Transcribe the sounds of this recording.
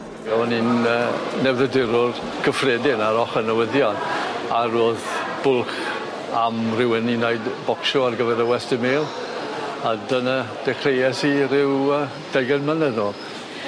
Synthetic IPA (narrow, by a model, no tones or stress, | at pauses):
ɛɔninənɛwðədɪɾʊr | kʰəfreːdɪnaɾɔχənəwɪðjɔnaɾoːðb̥ʊlˠχ | amrɪwəninajdbɔkʃɔarɡəvɛɾəwɛstəmeːlˠ | adənad̥ɛχrejɛsiɾɪwəː | d̥ajɡənmənədnoː